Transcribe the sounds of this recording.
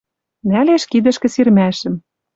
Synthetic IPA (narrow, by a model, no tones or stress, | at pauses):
næleʃkid̪ɘ̆ʃkɘ̆sirmæʃɘ̆m